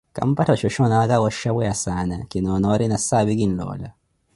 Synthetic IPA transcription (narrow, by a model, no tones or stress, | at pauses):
ka̰mpatat͡ʃɔʃɔnakawɔʃawɛasanakinɔnɔɾinasabikin̩lɔ̰la